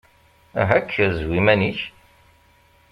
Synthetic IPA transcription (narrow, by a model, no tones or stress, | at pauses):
ɦækʰːzwimæniç